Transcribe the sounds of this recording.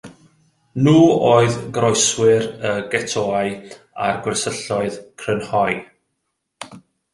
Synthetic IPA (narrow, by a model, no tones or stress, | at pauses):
nuːoːɨðɡrɔjswɪɾəɡɛtʰoːaɨ | a̰rɡwɛsəɬɔɨðkʰrənhɔj